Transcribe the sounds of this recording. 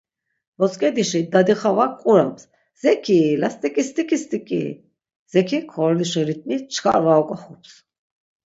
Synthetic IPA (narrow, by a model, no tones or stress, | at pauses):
vɔskʼɛd̪iʃid̪ad̪iχavakʼuɾaps | z̥ɛkʰilast̪ʼikʼist̪ʼikʼist̪ʼikʼḭ | z̥ɛkʰikʰɔɾliʃɔɾit̪̚ʰʼnit͡ʃʰkʰa̰ɾvaɔkʼɔχɔps